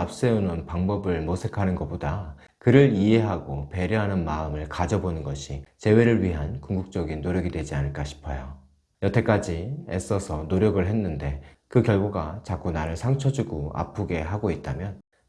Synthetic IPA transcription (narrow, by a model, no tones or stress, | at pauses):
ap̚s͈eunɯnpaŋbʌbɯɭmosʰe̞kʰanɯnɡʌp͈oda | kɯɾɯɾie̞ɦaɡope̞ɾjʌɦanɯnmaɯmɯɭkad͡ʑʌbonɯnɡʌɕʰit͡ɕe̞we̞ɾɯɭɥiɦankuŋɡuk̚t͡ɕ͈ʌɡinːoɾjʌɡidwe̞d͡ʑianɯɭk͈aɕʰi̥pʰʌjo | jʌtʰe̞k͈ad͡ʑies͈ʌsʰʌnoɾjʌɡɯɭɦe̞nːɯnde̞ | kɯkjʌɭɡoɡat͡ɕak͈unaɾɯɭsʰaŋt͡ɕʰʌd͡ʑuɡoa̰pʰuɡe̞ɦaɡoit̚t͈amjʌn